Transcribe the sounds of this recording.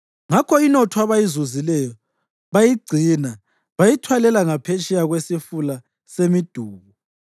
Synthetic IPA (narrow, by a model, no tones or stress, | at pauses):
ŋakʰɔinɔtʰɔaβajizuzilɛjɔ | βajiɡ͡ǀʱina | βajitʰwalɛlaŋapʰet͡ʃʰʼɛjaɣwesifula | semid̥ʱuːβu